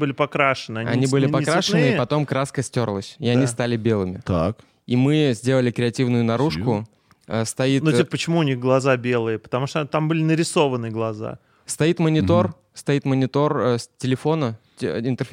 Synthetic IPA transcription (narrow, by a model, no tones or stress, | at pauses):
bɨlʲɪpɐkɾaʂɨnɨɐnɐ̰nʲibɨlʲɪpɐkɾaʂɨnɨɪpɐt̪o̞mkɾaskəsʲtʲo̞rlˠəsʲɪɐnʲist̪alʲɪbʲe̞lˠɨmʲɪt̪ak | imɨzʲdʲelˠəlʲɪkɾʲɪɐtʲivnʊjʊnɐɾuʂkkʊ | əst̪ɐitnuipəpːət͡ɕɪmuːnʲixɡlˠɐzabʲe̞lˠɨjəpə̥t̪ɐmuʂt̪ot̪ambɨlʲɪnəɾʲɪso̞vənɨjəɡlˠɐza̰ | st̪ɐit̪mənʲɪt̪o̞r | st̪ɐit̪mənʲɪt̪o̞rsʲtʲɪlʲɪfo̞nə | ɪnt̪ɨr